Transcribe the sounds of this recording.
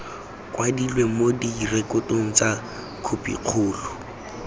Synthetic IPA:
kʼwadilwemodirekʼʊtʼʊŋ̩t͡sa | kʰʊpʼḭq͡χʰʊːlʊ

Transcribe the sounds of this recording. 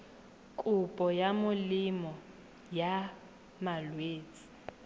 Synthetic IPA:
kʼʊpʼɔjamʊlɪmɔ | ja | malweːt͡sʼi̥

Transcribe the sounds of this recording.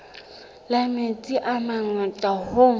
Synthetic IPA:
lamet͡sʼiʔamaŋɛtʼaho

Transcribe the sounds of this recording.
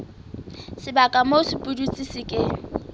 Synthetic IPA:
sɪbakʼamosɪpʼudut͡sʼisɪkʼɪ

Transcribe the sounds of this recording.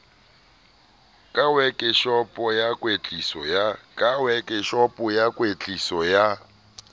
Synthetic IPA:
kʼawɛkʼɪʃɔpʼɔjakʼwet͡ɬʼisɔjakʼawɛkʼɪʃɔpʼɔjakʼwet͡ɬʼisɔja

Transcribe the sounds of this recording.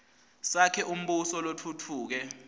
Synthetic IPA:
sakʰɛʔum̩ɓusɔlotʰutʰuːk̬ɛ

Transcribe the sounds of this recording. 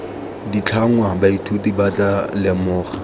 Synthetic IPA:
dit͡ɬʰaŋwabaitʰutibat͡ɬʼalɪmʊːχa

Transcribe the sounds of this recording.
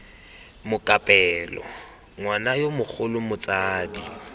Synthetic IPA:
mʊkʼapʼɛːlɔ̰ | ŋwanajomʊk͡xʰʊlʊmʊt͡sʼaːdi

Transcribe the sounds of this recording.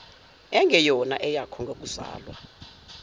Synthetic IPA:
ɛŋɡɛjɔnaʔɛjakʰɔŋɡʱok̬uza̰ːlwa̰

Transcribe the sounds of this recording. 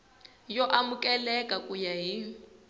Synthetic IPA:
jɔʔamʊkʼɛlɛkʼakʼujaɦi

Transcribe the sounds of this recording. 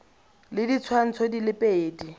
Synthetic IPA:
lɪdit͡sʰwan̩t͡sʰodilɪpʼeːdi

